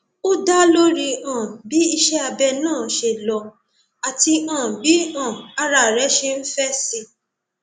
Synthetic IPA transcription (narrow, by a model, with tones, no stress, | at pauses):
o˦da˦lo˦ɾi˧ã˨bi˨˦i˧ʃɛ˦a˧bɛ˧nãː˦˨ʃe˨lɔ˧ | a˨ti˧ã˨bi˨˦ã˦˨a˧ɾa˧˨ɾɛ˨˦ʃe˧n̩˦fɛ˦si˧